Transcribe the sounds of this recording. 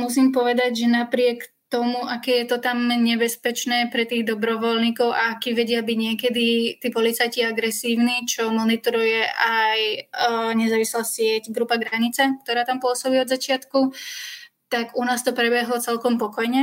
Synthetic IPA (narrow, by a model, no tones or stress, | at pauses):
mus̬iːmpɔʋɛd̪aɟʒɛnapɾɪɛkt̪ɔmuʔakɛːjɛt̪ɔt̪amɲɛbɛspɛt͡ʃnɛːpɾɛt̪iːɣd̪ɔbɾɔʋɔlɲiːkɔʊʔa̰akiːʋɛɟɪabiɟɲɪɛkɛd̪it̪iːpɔlit͡sajciaɡɾɛsiːʊnit͡ʃɔmɔnit̪ɔɾujɛʔaj | ɲɛzaːʋislaːsɪɛcɡɾupaɡɾaɲit͡sak̚t̪ɔɾaːt̪ampʊɔsɔbiːɔd̪zat͡ʃɪat̪ku | t̪aɡunaːst̪ɔpɾɛbɛɦlɔt͡sɛlkɔmpɔkɔjɲɛ